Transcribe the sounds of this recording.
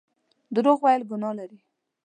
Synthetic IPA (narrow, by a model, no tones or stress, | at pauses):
d̪əɾoɣwajlɡʊnɑlaɾi